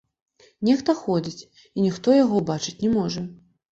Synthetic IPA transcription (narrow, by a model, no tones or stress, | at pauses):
nʲɛxt̪ɐxɔd͡zʲit͡sʲ | inʲixt̪ɔjaɣɔbat͡ʂɨt͡sʲnʲɛmɔʐɐ